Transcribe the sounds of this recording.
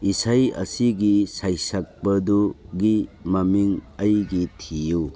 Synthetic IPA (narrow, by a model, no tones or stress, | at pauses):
isajɐ̰siɡisajsak̚bɐduɡimɐmiŋɐjɡitʰiju